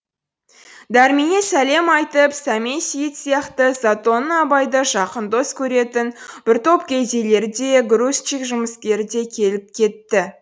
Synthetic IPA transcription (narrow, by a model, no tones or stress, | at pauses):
d̪æɾminesæle̞mɑjt̪əpsæmensijɪt̪sijɑqt̪əzat̪o̞nəɑbɑjd̪əʃɑqənd̪o̞skʲʰɵɾe̞t̪ɪnb̥ɪɾt̪o̞pkʲʰejze̞le̞ɾd̪e̞ɡɾust͡ʃikʒʊməskʲe̞ɾɪd̪e̞kʲʰe̞lɪp̚kʲʰe̞t̪ːɪ